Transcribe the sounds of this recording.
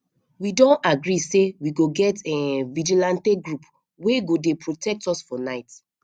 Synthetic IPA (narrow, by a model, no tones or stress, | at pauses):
widɔ̃ntaɡɹisewiɡoɡɛtɛvid͡ʒilãnteɡɹup | weɡodepʰɹotʰɛk̚tɔsfɔnaɪt